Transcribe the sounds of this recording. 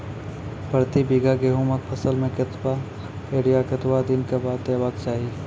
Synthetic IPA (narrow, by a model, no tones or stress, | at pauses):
pəɾt̪ibiɡaɡeːɦũmɐk̚pʰɐsəlmẽkɪt̪wa | eːɽijakɐt̪wad̪ɪnkabaːd̪ːabaːɡ̚t͡ʃaːɦi